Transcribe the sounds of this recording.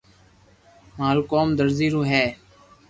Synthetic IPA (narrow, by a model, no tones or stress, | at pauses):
maːlkoːmd̪əɾziːɾõːɦɛː